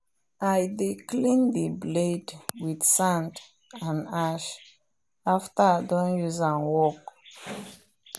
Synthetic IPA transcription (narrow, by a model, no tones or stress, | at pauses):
ajdiklĩndibledwidsãnd | ãnaʃ | aftadɔ̃njuzãnwɔk